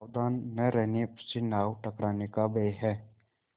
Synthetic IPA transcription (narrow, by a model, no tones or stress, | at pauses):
wd̪aːnːɛɾɛnepsinaːwʈəkɾaːnekabeːɦɛː